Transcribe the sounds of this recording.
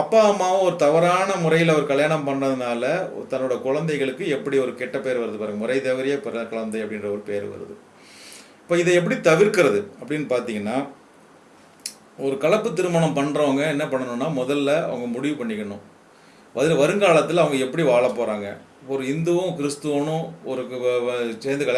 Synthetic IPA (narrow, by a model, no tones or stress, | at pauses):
ɐpːaːɐmːaːɐ̃ɔɾɯt̪ɐʋɐɾaːnɐmʊɾɐjɪlɔɾɯkɐɭjaːɳɐmpɐɳrɐðɯnaːlɐt̪ɐnːɯɽɐjɐkʊɻɐnd̪ɐɪɣɐɭɯkːɯɛpːɐɽiɔɾɯkɛʈːɐpeːɾʋɐɾɐðɯpaːɾɯŋɡɐmʊɾɐɪt̪ːɐʋɪɾɪjɐpɾɐkʊɻɐnd̪ɐɪɐpːɐɽɪnrɐɔɾɯpeːɾ̰ʋɐ̰ɾɐ̰ðɯ̰ | ɪpːoːɪðɐɛp̬ːɐɽit̪ɐʋɪɾkːɪɾɐðɯɐpːɐɽɪnːɯpaːɾt̪iːŋɡɐnːaː | ɔɾɯkɐɭɐpːɯt̪ːɪɾɯmaːɳɐmpɐɳːɾoːŋɡɐɛnːɐpɐɳːɐnʊ̃nːaːmɔðɐlːɐɐ̰ʋɐŋɡɐmʊɽɪʋɯpɐɳːɪkːɐɳʊ̃ | ʋɐðɪɯʋɐɾɯŋɡaːɭɐt̪ːɪlɐʋɐŋɡɐɛpːɐɽiʋaːɭɐpːoːɾaːŋɡɐ̰ | ɔɾɯɪnd̪ɯʋʊ̃kɪɾɪst̪ɯʋɐnʊ̃ɔɾɯkːɯseːnd̪ɯkɐɭ